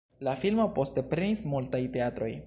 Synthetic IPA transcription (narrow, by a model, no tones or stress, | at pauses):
lafilmo̞po̞ste̞pɾenismultajte̞atɾo̞̰j